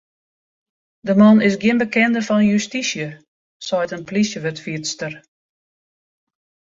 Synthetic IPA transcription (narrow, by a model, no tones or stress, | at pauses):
dəmɔnɪsɡjɪənbəkɛndəfɔnənjystisjə | sɔjtənplisjəʋətfiətstər